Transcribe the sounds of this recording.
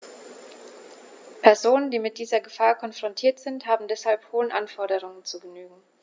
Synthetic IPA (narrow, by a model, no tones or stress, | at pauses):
pʰɛɐzoːnəndiːmɪt̚d̥iːzɐɡəfaːɐkʰɔnfʁ̥ɔntʰiːɐtz̥ɪnthaːbm̩dɛshalphoːənʔanfɔɐɾəʁ̞ʊŋənt͡suɡənyːɡŋ̩